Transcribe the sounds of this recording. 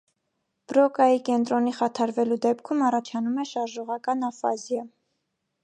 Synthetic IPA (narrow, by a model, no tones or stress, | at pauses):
b̥ɾɔkɑjikɛnt̪ɾɔniχɑt̪ʰɑɾvɛlud̪ɛpkʰumɑrɑt͡ʃʰɑnumɛʃɑɾʒɔʁɑkɑnɑfɑ̰zjɑ